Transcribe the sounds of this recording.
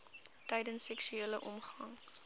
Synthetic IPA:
tɛjdənsːɛksyeːləʔɔmχɐŋ

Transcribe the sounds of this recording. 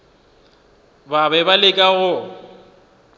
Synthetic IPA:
babɛbalɪkʼaɣʊ

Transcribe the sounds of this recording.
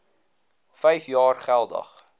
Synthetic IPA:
fəjfjɑːrχælˠdɐ̰χ

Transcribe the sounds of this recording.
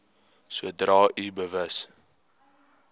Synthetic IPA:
suədrɑːʔibəvəs

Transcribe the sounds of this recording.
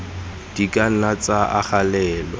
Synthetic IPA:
d̥ikʼan̩nat͡saʔaχalɛːlɔ̰

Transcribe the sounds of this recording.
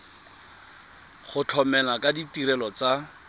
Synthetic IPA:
χʊt͡ɬʰɔmɛlakaditiɾɛlɔt͡sa

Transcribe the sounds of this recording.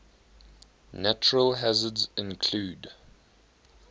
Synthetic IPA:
næt͡ʃəɹəlɦazədzɪ̃nkʰl̥uːd

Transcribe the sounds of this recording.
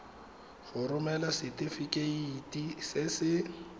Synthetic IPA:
χʊrʊmɛlasɪtʼɪfɪkʼeiitʼisɪsɪ

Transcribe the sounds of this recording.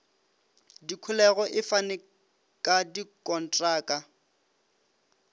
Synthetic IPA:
dikʰʊlɛɣɔʔɪfanɪ | kʼadikʼɔn̩tʼraːkʼa

